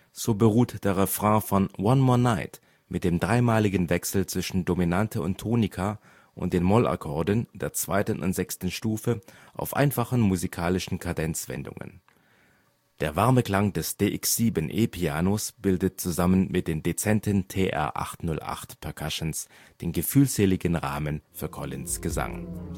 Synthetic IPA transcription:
z̥oːbəʁ̞uːtd̥eːɐʁefʁ̥ãːfɔnwanmɔːɐnaɪt | mʔɪt̚d̥eːmdʁaɪmaːlɪɡən̩vɛksl̩t͡sv̥ɪʃn̩dominantʰəʊntʰːoːnɪkʰa | ʔʊ̰nt̚d̥eːnmɔla̰kʰɔɐdənd̥eːɐt͡sv̥a̰ɪtən̩ʔʊ̰ntz̥ɛkstn̩ʃtuːfəʔa̰ʊfʔa̰ɪnfaχn̩muzikʰaːlɪʃn̩kʰadɛnt͡sv̥ɛ̰ndʊ̰ŋə̰n | d̥eːɐvaɐməkl̥aŋdɛsd̥eːʔɪksz̥iːbənʔeːpʰiaːnosb̥ɪldət̚t͡suzamənmʔɪt̚d̥eːmdet͡sɛntəntʰeːʔɛ̰ɐʔa̰χtnʊlʔa̰χtpʰɛɐkʰaʃəns | d̥eːnɡəfyːlz̥eːlɪɡənʁa̰ːmənfyːɐkʰɔlɪ̰nsɡ̥əza̰ŋ

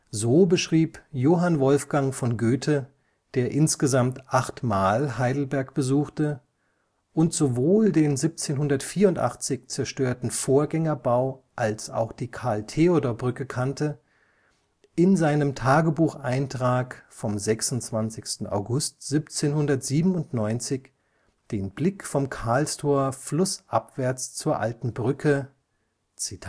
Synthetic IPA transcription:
zoːbəʃʁ̥iːpjoːɦanvɔlfɡ̥aŋfɔnɡøːtʰə | d̥eːɐʔɪnsɡ̥əzamtʔaχtmaːlɦaɪdl̩bɛɐkb̥əzuːxtə | ʔʊntz̥ovoːldeːnzip̚t͡seːnɦʊndɐtfiːɐʊntʔa̰χt͡sɪçt͡sɛɐʃtøːɐtn̩foːɐɡɛŋɐbaʊʔalsa̰ʊxd̥iːkʰaɐltʰeodobʁʏkəkʰantə | ʔɪnzaɪnəmtʰaːɡəbuːxʔaɪntʁ̥aːkfɔmzɛksʊnt͡sv̥ant͡sɪçstn̩ʔa̰ʊɡʊstz̥ipt͡seːnhʊndɐtz̥iːbm̩ʊntnɔʏnt͡sɪç | d̥eːnblɪkfɔmkʰaɐlstʰoːɐflʊsʔapv̥ɛɐt͡st͡suːɐʔaltn̩bʁʏkʰə | t͡sitʰa

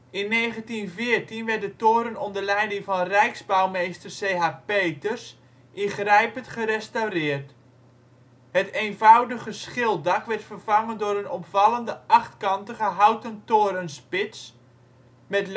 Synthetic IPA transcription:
ɪnːeːχəntinvɪːərtinʋɛrt̚dətoːɾənɔndərlɛjdɪŋvɑnrɛjkzbawmejstərseɦapejtərs | ʔɪnχrɛjpəntχəɾɛstawrɪːrt | həteːnvawdəχəsχɪlˠdɑkʋɛrtfərv̥ɑŋəndʊɾənɔpfɑləndəɑχtkɑntəχəɦawtəntoːɾənspɪs | mɛtl

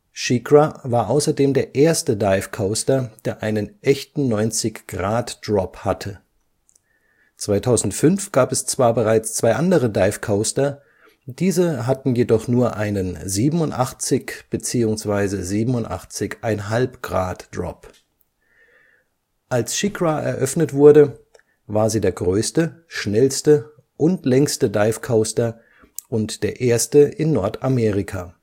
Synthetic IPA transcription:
ʃikʁavaːɐʔaʊsɐdeːmdeːɐʔeːɐstədaɪfkʰaʊstɐd̥eːɐʔaɪnənʔɛçtn̩nɔʏnt͡sɪçɡ̥ʁaːtd̥ʁɔphatʰə | t͡sv̥aɪtʰaʊzn̩tfʏnfɡ̥aːpɛst͡sv̥aːɐbəʁaɪt͡st͡sv̥aɪʔandəʁədaɪfkʰaʊstɐ | d̥iːzəɦatn̩jedɔχnuːɐʔaɪnənziːbm̩ʊntʔaχt͡sɪçb̥ət͡siːʊŋsv̥aɪzəziːbm̩ʊntʔa̰χt͡sɪçʔaɪnɦalpɡ̥ʁa̰ːtd̥ʁɔ̰p | ʔalsʃɪkʁaʔɛ̰ɐʔœfnətv̥ʊɐdə | vaːɐziːdeːɐɡʁøːstəʃnɛlstə | ʔʊntlɛŋstədaɪfkʰaʊstɐ | ʔʊntd̥eːɐʔeːɐstəʔɪnːɔɐtameːʁɪkʰaː

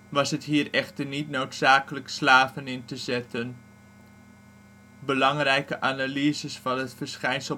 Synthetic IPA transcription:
ʋɑsətɦiːrɛχtərnitnowtsaːkələkslaːvənɪntəzɛtən | bəlɑŋrɛjkəʔanaliəzəsfɑnətfərsχɛjnsə

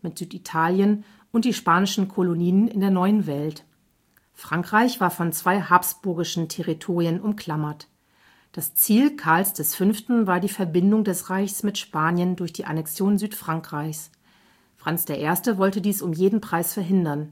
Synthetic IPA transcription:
mɪtz̥yːtitʰaːljən | ʔʊntd̥iːʃpaːnɪʃn̩kʰoloniːənɪ̰ndeːɐnɔʏənvɛlt | fʁ̥aŋkʁ̥aɪçv̥aːɐfɔnt͡sv̥aɪhaːpsb̥ʊɐɡɪʃn̩tʰeʁitʰoːʁiənʔʊmkʰl̥amɐt | d̥ast͡siːlkʰaɐlsd̥ɛsfʏnftn̩vaːɐdiːfɛɐbɪndʊŋdɛsʁaɪçsmɪtʃpaːnjəndʊɐçd̥iːʔa̰nɛksjoːnzyːtfʁ̥aŋkʁ̥aɪçs | fʁ̥ant͡sd̥eːɐʔeːɐstəvɔltədiːsʊmjeːdn̩pʁ̥aɪsfɛɐɦɪndɐn

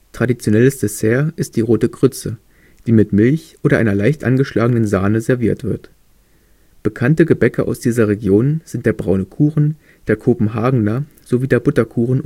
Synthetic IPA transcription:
tʁ̥adit͡sjonɛləsd̥ɛsheːɐʔɪst̚d̥iːʁoːtəɡʁʏt͡sə | d̥iːmɪtmɪlçʔoːdɾɐʔa̰ɪnɐlaɪçtʔanɡəʃlaːɡənənzaːnəzɛɐviːɐtv̥ɪɐt | b̥əkʰantəɡəbɛkəʔa̰ʊsd̥iːzɐʁeɡjoːnz̥ɪntd̥eːɐbʁaʊnəkʰuːʁn̩ | d̥eːɐkʰopm̩ɦaːɡŋ̩nɐ | z̥oviːdeːɐbʊtɐkʰuːʁn̩

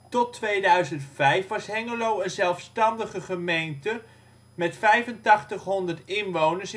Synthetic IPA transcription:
tɔtʋejdœɥzəntfɛjfʋɑsɦɛŋəlowənzɛlˠfstɑndəχəχəmejntə | mɛtfɛjvəntɑχtəχɦɔndəɹtɪnʋownəɹs

